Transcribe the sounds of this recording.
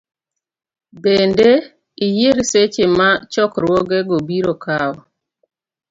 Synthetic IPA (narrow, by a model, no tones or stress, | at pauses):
bende | ijeɾset͡ʃemat͡ʃɔkɾwɔɡeɡobiɾokaɔ